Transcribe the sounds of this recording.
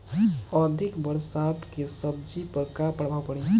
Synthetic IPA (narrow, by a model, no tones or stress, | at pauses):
əd̪ʱɪkbəɾsat̪kesəb̚d͡ʒipəɾkapəɽbapəɽ̃ĩ